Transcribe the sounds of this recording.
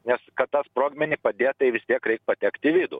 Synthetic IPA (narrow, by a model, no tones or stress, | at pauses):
nʲɛskɐt̪t̪ɐspɾoːɡmʲɛnʲɪpɐd̪ʲeːtt̪ɐɪʋʲɪst̪ʲiɛkɾʲɛɪk̚pɐt̪ʲækt̪ʲɪʋʲid̪ʊ̰